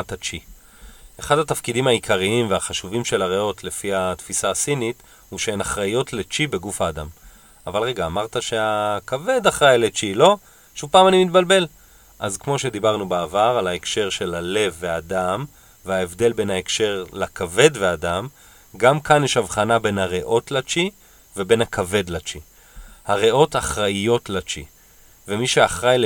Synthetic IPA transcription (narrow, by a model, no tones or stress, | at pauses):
t̪at͡ʃi | eχadhat̪afkidimaikʰaʁiimveaχaʃuvimʃe̞laʁeo̞tle̞fihat̪fisasinit̪ | huʃeenaχʁajo̞tle̞t͡ʃibe̞ɡufaːd̪am | avalʁe̞ɡaːmaʁt̪aʃe̞akave̞d̪aχʁajlet͡ʃilo̞ | ʃuvpaːmanimit̪̚balbe̞l | ʔazkmo̞ʃe̞d̪ibaʁnubaavaʁalaekʃe̞ʁʃe̞lale̞vːeadam | veaevd̪e̞lbe̞nhaekʃe̞ʁlakave̞dveadam | ɡamkanjɛʃavχanabe̞nhaʁeʔo̞tlat͡ʃi | ve̞be̞nhakʰave̞d̪lat͡ʃi | haʁeʔo̞taχʁaijo̞tlat͡ʃḭ | vemiʃeaχʁajl